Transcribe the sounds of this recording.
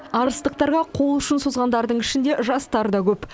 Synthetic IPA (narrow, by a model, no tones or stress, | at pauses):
ɑɾəst̪əq̚t̪ɑɾʁɑqʰo̞lˠʏʃɪnsozʁɑnd̪ɑɾd̪əɴɪʃɪnd̪e̞ʒɑst̪ɑɾd̪ɑkʲʰɵp